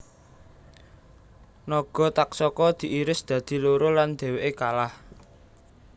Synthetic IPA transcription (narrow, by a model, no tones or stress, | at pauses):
nɔɡ̥ɔ̤t̪aksɔkɔd̪̥i̤ʔiɾɪsd̪̥ä̤d̪̥i̤loɾoland̪̥e̤weʔekalah